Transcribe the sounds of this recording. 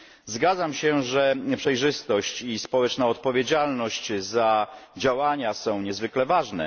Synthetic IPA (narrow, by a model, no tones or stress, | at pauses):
zɡad̪zamɕɛʐɛɲɛpʂɛjʐɘst̪ɔɕt͡ɕispɔwɛt͡ʂnaɔt̪̚pɔvʲjed͡ʑalnɔɕt͡ɕzad͡ʑawaɲasɔ̃w̃ɲɛzvɘklɛvaʐnɛ̰